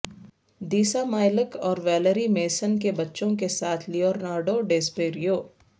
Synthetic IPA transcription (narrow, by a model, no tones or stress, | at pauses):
d̪iːsamaːɪləkɔːɾʋɛːləɾimeːsənkebɐtːʃõkesaːt̪ʰlijɔːɾnaːɾɖoɖeːspeːɾijoː